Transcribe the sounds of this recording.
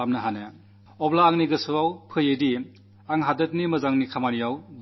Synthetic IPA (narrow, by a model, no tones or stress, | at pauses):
amnɐɦanɯ | ɔblaːŋniɡɯsuawpʰɯjedi | aŋɦadɯt̚nimɯzaŋnikʰamanijawb